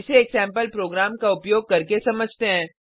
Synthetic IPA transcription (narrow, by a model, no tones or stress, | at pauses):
ɪseːksɛ̃ːmpəlpɾoːɡɾaːmkaʊpjoːɡ̚kɐɾkesɐməd͡ʒʱt̪eɦɛ̃ː